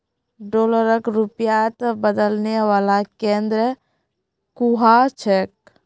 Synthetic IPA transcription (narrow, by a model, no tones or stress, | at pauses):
ɖoːləɾəkɾupjaət̪bəd̪əlneʋaːlakẽːnd̪ɾə | kuɦat͡ʃʰeːk̚